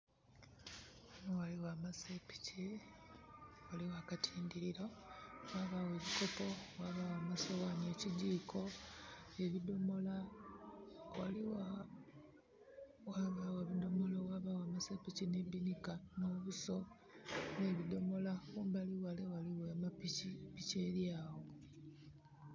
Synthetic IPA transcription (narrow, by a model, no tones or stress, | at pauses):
nowaliwaːmasepi̥ci | waliwakatʰiːndiɾiɾo̞waːβawe̞ːβiko̞po̞waβawaːmasowanie̞ːciɟiːkʰo̞ | e̞βidomola | wa̰liwa | waβaweβido̞molowaβawamasapicinebinikanoβuso̞ | ne̞βido̞mo̞lakuːmbaliwalewaliwemapiipiceɾjaːwo̞